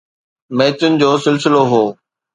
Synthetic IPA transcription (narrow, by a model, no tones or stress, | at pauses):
meːt͡ɕʊnɪ̆d͡ʑoːsɪlsɪloɦoː